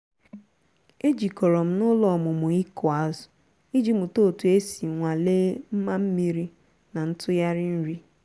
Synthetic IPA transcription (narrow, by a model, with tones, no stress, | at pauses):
e˦d͡ʒi˨kɔ˨ɾɔ˨m̩˦nʊ˦lɔ˨mʊ˨mʊ˨i˦kʰɔ˨a˨zʊ˨ | i˦d͡ʒi˨mʊ˨to˦˨tu˨e˦si˨ŋʷa˨leː˦m̩˦ma˦m̩˦mi˦ɾi˦ | na˨n̩˦tʰʊ˦ja˦ɾɪ˦n̩˦ɾi˦